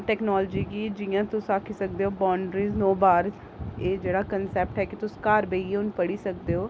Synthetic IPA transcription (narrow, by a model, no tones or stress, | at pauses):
ʈɛːknɔːld͡ʒiːɡiːd͡ʒijãːt̪ʊsaːkʰiːsək̚d̪eːɦoːbaːɳɖɾiːznoːbaːɾ | eːd͡ʒeːɽaːkənsɛːp̚ʈɦɛːkɪt̪ʊskaːɾbeːieʊnpəɽiːsək̚d̪eːɦoː